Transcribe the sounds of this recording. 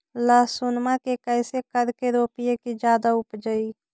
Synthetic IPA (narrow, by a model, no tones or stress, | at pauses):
ləsunmakekəɪsekəɾkeɾopijekid͡ʒaːd̪aupd͡ʒəi